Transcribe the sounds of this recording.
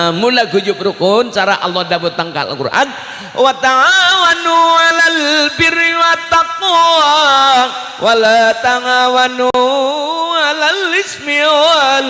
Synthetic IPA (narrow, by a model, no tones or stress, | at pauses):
mulaɡud͡ʒʊpɾukʊnt͡ʃaɾaʔa̰lːɔhdapʊt̪aŋka̰l̰kṵrʔa̰n | wat̪aŋawanualalbiɾiwat̪ak̚ɔaaŋ | wʔalat̪aŋawanu | alalːismioal